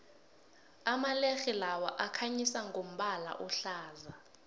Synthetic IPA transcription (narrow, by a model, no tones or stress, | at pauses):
amalexilawaʔakʰaɲisaŋɡʱom̩ɓala̰ʔɔɬaːza